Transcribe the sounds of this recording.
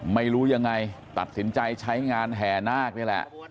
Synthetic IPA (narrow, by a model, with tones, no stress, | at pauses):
ma˥˩jɾuː˦˥ja˧ŋːa˧jt̪a˨˩t̪̚si˨˩˦nt͡ɕa˧jt͡ɕʰa˦˥jŋaː˧nɦɛː˨˩naː˥˩k̚naː˧˥˩jlɛ̰˨˩ʔ